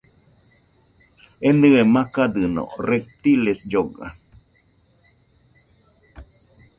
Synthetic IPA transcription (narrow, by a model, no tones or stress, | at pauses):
end̪ɨemãkad̪ɨno̰rep̚t̪ilesjoɡa̰